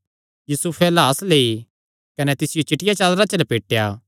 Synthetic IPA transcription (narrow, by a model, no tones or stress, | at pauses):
juːsupʰɛlaːslei | kɐnɛt̪ɪsɪjot͡ʃɪʈɪjat͡ʃaːlɾat͡ʃɐlpeːʈːejaː